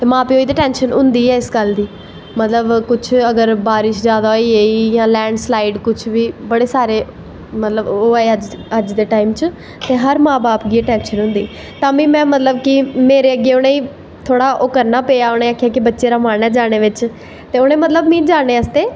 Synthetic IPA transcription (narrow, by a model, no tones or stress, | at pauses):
t̪eːmãːpeːoːiːd̪iːʈɛ̃ːnʃənʊ̃nd̪iːɛːɪskəld̪iː | mət̪ləbkʊt͡ʃʰəɡəɾbaːɾɪʃd͡ʒjaːd̪aːoiːeːiːjãːlɛ̃ːɳɖslaːɪɖkʊt͡ʃʰʋiːbəɽeːsaːɾeː | mət̪ləboːɛəd͡ʒəd͡ʒd̪eːʈaːimt͡ʃ | t̪eːɦəɾmãːbaːpɡieʈɛːnʃənɦʊ̃nd̪ḭː | t̪ãːbĩːmɛ̃ːmət̪ləbkɪmeːɾeːəɡeːʊñẽːiː | t̪ʰoːɽaːʔʊkəɾnaːpeːjaːʊñẽːaːkʰːjaːkɪbətːʃeːɾaːmaːnɛːd͡ʒaːɽ̃eːʋɪt͡ʃ | t̪eːʊñẽːmət̪ləbmĩːd͡ʒaːɽ̃eːəst̪eː